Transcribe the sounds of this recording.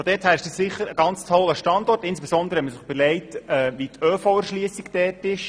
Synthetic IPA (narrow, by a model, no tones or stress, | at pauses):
fod̥ɛːthæːɾɪʃd̥ɑssɪχːəɾəɡɑnt͡stʰɔlːəʃtɑndɔrtɪnsb̥esɔnd̪ɾəhɛtməsɪχb̥əlɛɪtɛːʋitʰøːfoɛɾʃliəsikd̥ɛːtɪʃ